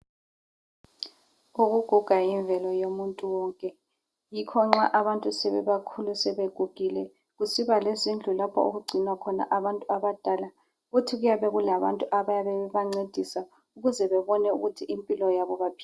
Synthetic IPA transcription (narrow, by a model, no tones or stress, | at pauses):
uɣuɡ̥ʱuɡ̥ʱaiɱvʱɛlɔjomuntʼuwɔŋkʼɛ | jikʰɔŋ͡ǁaʔaβantʼusɛβɛβakʰulusɛβeɡ̥ʱuɡ̥ʱilɛ | ɣusiβalezind͡ɮʱulapʰɔ̰o̰ɣuɡ͡ǀʱinwakʰɔna̰ʔaβantʼuaβad̥ʱala | ɣutʰiɣujaβɛɣulaβa̰ntʼuʔaβajaβɛβaŋ͡ǀed̥ʱisa | uɣuzɛβɛβɔnɛṵɣutʰiʔimpʼilɔjaβɔβapʰi̥